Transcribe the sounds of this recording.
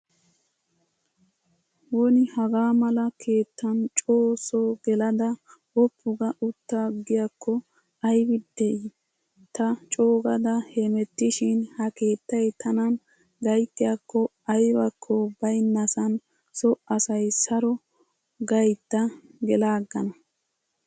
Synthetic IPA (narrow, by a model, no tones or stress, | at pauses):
woːnɪhɐɡaːmɐlɐkʰe̞ːt̪ːɐnt͡ʃʼoːsɔɡɛlɐd̪ɐ | wɔpːʊɡɐʔʊt̪ːaɡɪjakːɔ | ɐjbɪd̪ːɛɪ | t̪ɐt͡ʃʼoːɡɐd̪ɐhemɛt̪ːɪʃɪnhɐke̞ːt̪ːɐjt̪ʰːɐnɐn | ɡɐjt̪ːɪjakːɔ | ɐjbɐkʰːɔbɐjnːɐsɐn | sɔʔɐsɐjsɐɾɔ | ɡɐjt̪ːɐɡɛlaːɡːɐnɐ